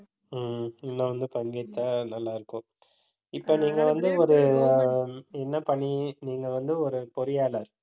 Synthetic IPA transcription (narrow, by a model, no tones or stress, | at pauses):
mɪnːɐ̃ʋɐnd̪ɯpɐŋɡɐt̪ːanɐlːaːɪɾɯkːʊ̃ | ɪpːoːniːŋɡɐʋɐnd̪ɯɔɾɯ | ɛnːɐpɐɳiniːŋɡɐʋɐnd̪ɯɔɾɯpɔɾɯjaːlɐɾ